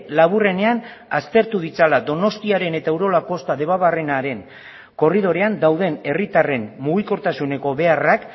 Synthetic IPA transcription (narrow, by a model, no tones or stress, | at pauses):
laβ̞ure̞ne̞an | ast̪e̞ɾt̪uð̞it͡salad̪o̞no̞st̪iaɾe̞ne̞t̪aewɾo̞lako̞st̪aðe̞βaβare̞naɾe̞ŋ | ko̞riðo̞ɾe̞and̪awðe̞ne̞rit̪are̞mmuɣ̞iko̞ɾt̪asune̞ko̞βe̞arak